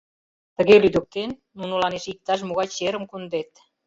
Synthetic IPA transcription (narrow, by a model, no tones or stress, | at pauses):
t̪ə̆ɣelyd̪ə̆k̚t̪enːunolɑneʃik̚t̪ɑʃ̬muɣɑjt͡ɕeɾə̆mkund̪et̪̚